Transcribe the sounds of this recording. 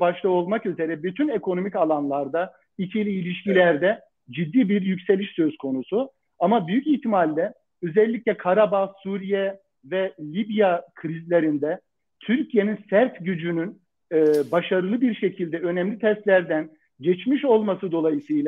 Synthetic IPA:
baʃlˠao̞lˠmakyze̞ɾɛbyt̪ʰynekʰo̞no̞micalˠanlˠaɾd̪a | icʰelʲiːlʲiʃcilʲæɾd̪ɛ | d͡ʒid̪ːiːbiɾjycse̞lʲiʃsø̞zkʰo̞nusu | amabyjyciht̪ʰimalʲd̪ɛ | øzɛlʲːicʲlʲɛkʰaɾabasuɾijɛ | vɛlʲibijakʰɾizlʲe̞ɾind̪ɛ | t̪ʰyɾcʰije̞ninsæɾt̪ɟyd͡ʒynynː | baʃaɾɯlˠɯbiɾʃe̞cʰilʲd̪ɛø̞nɛmlʲit̪ʰɛst̪lʲæɾd̪æn | ɟɛt͡ʃmiʃo̞lˠmasɯd̪o̞lˠajɯsɯjlˠa

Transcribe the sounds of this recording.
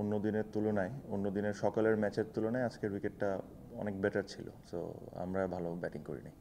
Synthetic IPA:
onːod̪ineɾt̪ulonaeonːod̪ineɾʃɔkaleɾmɛt͡ɕeɾt̪ulonaead͡ʑkeɾwikeʈːa | ɔ̰nekbeʈaɾt͡ɕʰilo̰so̰a̰mɾabʱalobɛʈiŋkoɾḭnaj

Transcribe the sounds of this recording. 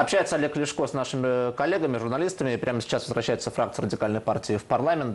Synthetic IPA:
ɐpɕːæjɪt̪səɐlʲeklʲɪʂkosnaʂɨmʲɪkɐlʲːeɡəmʲɪʐʊrnɐlʲist̪əmʲɪɪpɾʲʔaməsʲɪ̥t͡ɕːasvəzvɾʔɐɕːæjʊt̪səfɾak̚t̪ɨɪɾədʲɪkalʲnəjpartʲɪɪfpɐrlˠamʲɪnt̪

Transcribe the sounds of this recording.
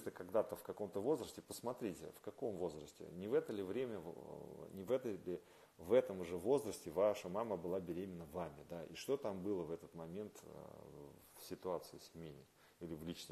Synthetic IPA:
t̪əkɐɡd̪at̪əfkɐko̞mt̪əvo̞zrəsʲtʲɪpəsmɐt̪ɾʲitʲɪ̰fkɐko̞mvo̞zrəsʲtʲɪ̰nʲɪvɛt̪əlʲɪvɾʲemʲə | nʲɪvɛt̪əlʲɪ | vɛt̪əmʊʐɛvo̞zrəsʲtʲɪvaʂəmaməbɨlˠabʲɪɾʲemʲɪnːəvamʲɪd̪aʔḭʂt̪o̞t̪ambɨlˠəvɛt̪ət̪mɐmʲe̞nt̪ə̰ | fsʲɪt̪ʊat̪sɨɪsʲmʲenʲɪ̰ | ilʲɪvlʲit͡ɕnə

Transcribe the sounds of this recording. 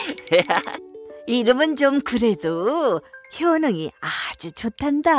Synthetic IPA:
e | iɾɯmɯnt͡ɕomkɯɾe̞do | çjʌnɯŋiad͡ʑut͡ɕotʰanda

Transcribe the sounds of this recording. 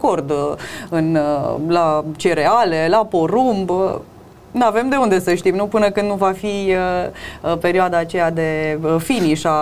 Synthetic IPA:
ko̞rd̪ɨnlat͡ʃeɾe̞alelapo̞ɾumb | nave̞md̪e̞und̪e̞səʃt̪imnupɨnəkɨnd̪nuvafiə | pe̞ɾioad̪aːt͡ʃe̞jad̪e̞finiʃa

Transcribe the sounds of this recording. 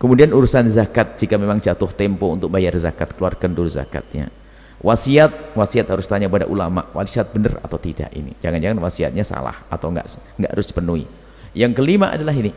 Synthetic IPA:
kəmudianuɾusanzakat̪̚d͡ʒikamemaŋd͡ʒat̪ʊht̪ɛmpɔunt̪ʊk̚bajarza̰kat̪̚kəluarkanduluza̰ka̰t̪̚ɲa̰ | wʔasiat̪̚wasiat̪̚haɾʊst̪aɲapada̰ʔulama̰ʔwa̰lisat̪̚bənəra̰t̪awt̪ida̰ʔḭnḭd͡ʒaŋand͡ʒaŋanwasia̰t̪̚ɲasa̰la̰hat̪awŋɡa̰ʔsŋɡaʔaɾʊspənuḭ | jaŋkəlimaʔa̰dalaɦini

